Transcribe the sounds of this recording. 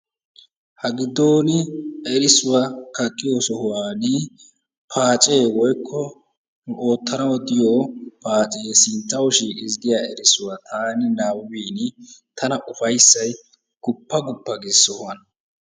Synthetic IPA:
hɐɡɪd̪o̞ːnɪɛɾɪsʊwɐkɐkʼːɪjoːsɔhʊwaːnɪ | pʰaːt͡ʃʼe̞ːwɔjkʰːɔ | nʊʔo̞ːt̪ːɐnɐwɔd̪ɪjoːpaːt͡ʃʼeesɪnt̪ːɐwʃiːkʼɪzd̪ɪjaːɛɾɪsʊwat̪ʰaːnɪnaːwiːnɪt̪ʰɐnɐʔʊfɐjsːɐj | ɡ̥ʊpːɐɡʊpːɐɡɪsɔhʊwɐn

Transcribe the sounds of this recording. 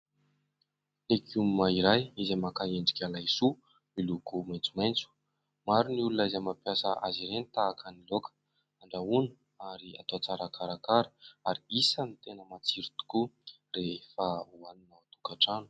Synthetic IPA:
lekumumaiɾajizamakaeɳɖ͡ʐi̥kʲalajsu | milukumajnt͡sumajnt͡su̥ | maɾiniulunaizamapjasəa̰ziɾenit̪aːkənilokə̥ | aɳɖ͡ʐaunə | aɾia̰t̪oat͡saɾakʰaɾakaɾaɾiisanit̪enəmat͡siɾit̪u̥ku | refauaninat̪ukaʈ͡ʂanu̥

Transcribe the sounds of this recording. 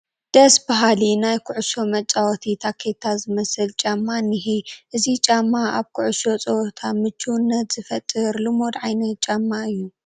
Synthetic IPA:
d̪̥ɐsbaɦalinajkʰʊʕʊʃo̞mɐt͡ʃʼawɔt̪ʰit̪ʰakʰet̪ʰazɨmɐsɨlt͡ʃʼamːanɨɦiʔɨzit͡ʃʼamːaaβkʰʊʕʊʃo̞t͡sʼɐwt̪ʰamɨt͡ʃʰːuwnːɐt̪z̥ɨfɐt̪ʼːɨɾlɨmo̞d̪ʕajnɐt̪̚t͡ʃʼamːaɨjːu

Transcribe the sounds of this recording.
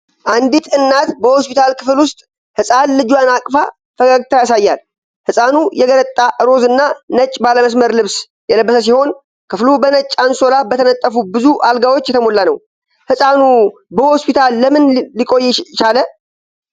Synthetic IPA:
ʔand̪it̪ʰɨnːat̪bəho̞spit̪ʰalkʰɨflwʊst̪ʼ | hɨsʼanlɨd͡ʒwjanakʼfa | fʰəɡəɡt̪ʰajasajːal | hɨsʼanujɛɡələt̪ʼːaʔɨɾo̞zɨnːanət͡ʃʼːbaləməs̬məɾlɨβs | jɛləbːəsəs̬iho̞n | kʰɨflubənət͡ʃʼːanso̞labət̪ʰənət̪ʼːəfubɨzuʔalɡawo̞t͡ʃːjɛt̪ʰəmo̞lːanəw | hɨsʼanubəho̞spʰit̪ʰalːəmɨnlikʼo̞jːɛt͡ʃalə

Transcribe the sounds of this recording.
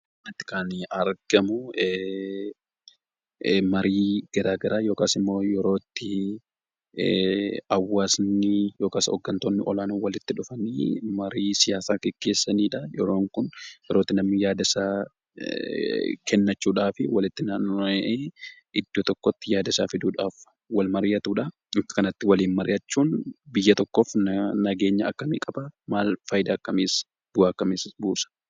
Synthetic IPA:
nɐt̪ːɪ̥kaːnɐɾɡ̥ɐmʊ | mɐɾiːɡ̥ɐɾaːɡɐɾaːjo̞ːkaːsɪmːo̞ːjɛɾo̞ːt̪ːɪ | ɐwːaːsnɪjo̞ːkaːsɔ̰ɡːɐnt̪oːnːɪʔɔlaːnoːwɐlɪt̪ːɪᶑʊfɐniːmɐɾiːsɪjaːsaːɡɛɡ̥ːe̞ːsːɐniːᶑɐjɛɾo̞ːŋkʊnjɛɾoːt̪ːɪnɐmɪjaːd̪ɪsaː | kʰɛnːɐt͡ʃːuːᶑaːfɪwɐlɪt̪ːɪnɐʔeːʔɪd̪ːoːt̪ɔkːɔt̪ːɪjaːd̪ɪsaːfɪd̪uːᶑaːf | wɐlmɐɾɪjɐt̪uːᶑɐ | ɪŋkɐ̥kɐnɐt̪ːɪwɐliːnmɐɾɪjɐt͡ʃːuːnbɪjːɐt̪ɔkːoːfnnɐɡe̞ːɲːɐɐkːɐmḭːkʼɐbɐmaːlfɐjd̪aːkːɐmeːs | b̥ʊaːkːɐmeːsbuːsɐ̥

